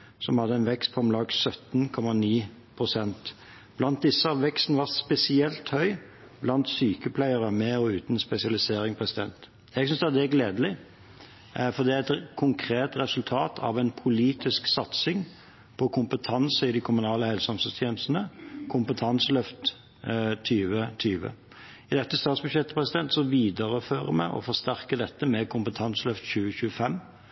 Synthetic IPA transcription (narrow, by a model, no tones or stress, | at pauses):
sɔmhɑd̪ːəɛnʋɛkst̪̚pʰɔɛmlɑɡsœt̪nkʰɔmɑniː | pʰʁʊsɛnt̪ | b̥lɑnt̪̚d̪ɪsːəɑʋʋɛkst̪nəʋɑʁspɛsɪɛlt̪hœʏ | blɑnt̪syːkəpʰlæɪəɾəmɛɔʉːt̪n̩spɛsɪɑlɪseːɾɪŋpʰʁɛsɪd̪ɛ̰nt̪ | jɛɡ̥sʏnsd̪ɛd̪ɛæɡleːd̪əlɪ | fɔd̪ɛɛt̪kʰʊŋkʰɾeːt̪ɾɛsʉlt̪ʰɑːt̪ʰɑ̰ʋɛnpʰʊliːt̪ɪsksɑt̪sɪŋ | pʰɔkʰʊmpət̪ʰɑnsəɪd̪ɪkʰʊmʉnɑːləhɛlsɑmsəst̪ʰjeːnəst̪ənəkʰʊmpət̪ʰɑnsəlœft̪ | t̪ʰyːʋət̪ʰyːʋə̰ | ɪd̪ɛt̪ːəst̪ɑːt̪sbʉʃjɛt̪ːə̥pʰɾɛsɪd̪ɛnt̪sɔʋiːd̪əɾəføːɾəmæ̰ɪʔɔ̰fɔɾst̪æɾkəd̪ɛt̪ːəmɛkʰʊmpət̪ʰɑnslœft̪çʉːəçʉːəfɛmː